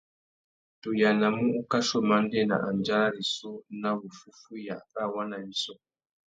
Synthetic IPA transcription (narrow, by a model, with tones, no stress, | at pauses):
tu˨ja˨na˨mu˦ʔu˦ka˦ʃo˦˨ma˦n̩˦de˦˨na̰˨ʔa˨n˨d͡ʒa˦ɾa˦ɾi˨so˦na˦wu˨fu˦fu˦ja̰˨ʔka˦˨wa˦na˨ni˦so˦